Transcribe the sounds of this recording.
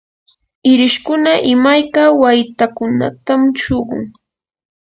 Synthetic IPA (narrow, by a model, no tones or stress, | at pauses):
ɪɾɪʃkʊnaʔɪmajkawajt̪akʊna̰t̪amʃoɢʊ̰ŋ